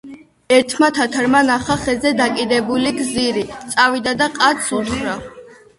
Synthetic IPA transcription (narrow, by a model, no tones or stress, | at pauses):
ɛɾt̪ʰmat̪ʰat̪ʰaɾmanaχaχɛzɛd̪akʼid̪ɛbuliɡziɾit̪sʼavid̪ad̪aqʼat̪sʰut̪χɾa